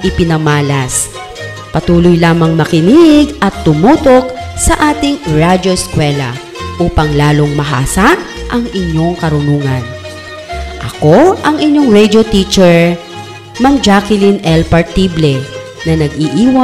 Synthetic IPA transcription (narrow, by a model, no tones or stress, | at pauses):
ʔɪpɪnɐmaːlɐs | pɐt̪uːlʊjlaːmɐŋmɐkɪniʔɪɡɐt̪ːʊmuːt̪o̞k̚ | sɐʔaːt̪ɪŋɹad͡ʒoskwɛlɐ̰ | ʔuːpɐŋlaːloŋmɐɦa̰ːsa | ʔɐŋɪɲːo̞ŋkɐɾʊnuːŋɐn | ʔɐkoʔɐŋɪɲːoŋɹɛd̪jot̪it͡ʃɛɹ | mamd͡ʒakɪlinʔɛlpɐɹt̪ːiblɛ | nɐnɐɡ̚ʔiʔiːwɐ